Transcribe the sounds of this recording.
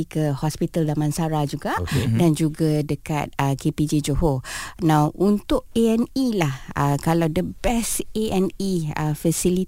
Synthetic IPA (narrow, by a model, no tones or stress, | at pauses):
ikəhɔspit̪aldamãnsaɾad͡ʒuɡadand͡ʒuɡadəka̰t̪̚əkeped͡ʒed͡ʒoɦonãwʔunt̪ʊʔeɛnilahə̰kalawdəbɛseɛniəfəsili